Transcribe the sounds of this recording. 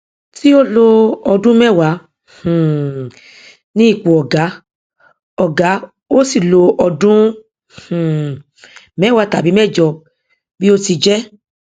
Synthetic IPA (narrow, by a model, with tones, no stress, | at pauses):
ti˦o˦lo˧ɔ˧dũ˦mɛ˦˨wã˨˦˨ | nĩ˦i˦˨k͡po˨ɔ˨ɡa˨˦ | ɔ˨ɡa˨˦ | o˦si˦˨lo˧ʔɔ˧dũ˦˨ | mɛ˦˨wa˧ta˨bi˨˦mɛ˦˨d͡ʒɔ˧˨ | bi˦o˦ti˧d͡ʒɛ˦